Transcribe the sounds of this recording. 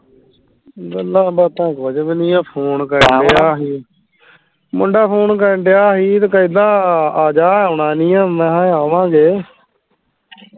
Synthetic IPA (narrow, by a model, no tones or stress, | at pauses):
ɡəlːaːbət̪ãːkoːd͡ʒəbnĩːaːpʰoːnkəɾəɳɖeːaːɦiː | mʊɳɖaːpʰoːnkəɾəɳɖeːaːɦiːt̪ːkəid̪ãːaːd͡ʒaːaʊɳaːnĩːãːmɛ̃ːɦãaːʋãːɡeː